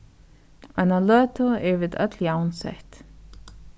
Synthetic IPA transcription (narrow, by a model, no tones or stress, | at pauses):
analøːt̪ʊɛɹviːd̪œt̪ljawnsɛ̰ht̪